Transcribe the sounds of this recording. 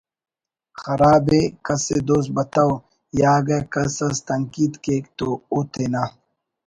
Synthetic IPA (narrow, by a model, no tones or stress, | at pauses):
xɐɾaːbekɐsed̪oːs̚bɐt̪aw | jaːɡɐkɐsɐst̪ɐŋkiːd̪keːkt̪out̪ʰena